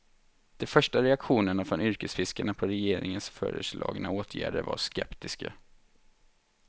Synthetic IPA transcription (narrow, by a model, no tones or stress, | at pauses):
d̪̥ɛfœʂʈaɾɛakɧuːnəɳafɾɔnʏɾkəsfɪskaɳapʰɔɾɛjeːɾɪ̰ŋənsfœ̰ːɾə̰ʂlɑ̰ːɡnaoːt̪ʰjæ̰ːɖəva̰ʂkɛpt̪ɪska̰